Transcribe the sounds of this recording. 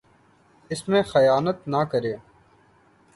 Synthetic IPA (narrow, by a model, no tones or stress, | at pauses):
ɪsmẽːxəjaːnət̪nakəɾeː